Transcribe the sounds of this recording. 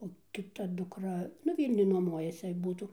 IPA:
oː kʲɪˈtɐ dʊkˈrɐ nʊ ˈʋʲiːlʲnʲʊj nuɔˈmuɔjɛsʲɪ ˈbuːtuː

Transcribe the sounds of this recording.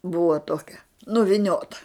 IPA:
ˈbʊʋɐ ˈtoːkʲɛ nʊʋʲɪˈnʲoːtɐ

